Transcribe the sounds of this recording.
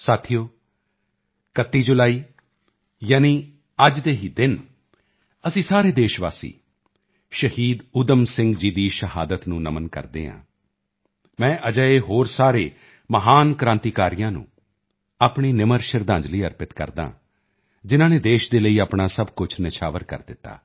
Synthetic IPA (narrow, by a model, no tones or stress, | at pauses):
saːt̪ʰijoː | kət̪ːiːd͡ʒʊlaːiː | jaːniː | əd͡ʒd̪eːɦiːd̪ɪn | əsĩːsaːɾeːd̪eːʃʋa̰ːsḭː | ʃəhiːd̪ʊd̪əmsɪ̃ŋɡd͡ʒiːd̪iːʃəɦaːd̪ət̪nũːnəmənkə̰ɾd̪ḛːɦã̰ː | mɛ̃ːʔəd͡ʒəːeːɦoːɾsaːɾeː | məɦaːnkɾãːnt̪iːkaːɾijãːnṵ̃ː | aːpɳiːnɪməɾʃəɾd̪ãːd͡ʒliːəɾpɪt̪kə̰ɾd̪a̰ː | d͡ʒɪnãːneːd̪eːʃd̪eːləiːaːpɳaːsəbkʊt͡ʃʰnɪʃʰaːʋəɾkə̰ɾd̪ɪt̪ːa̰ː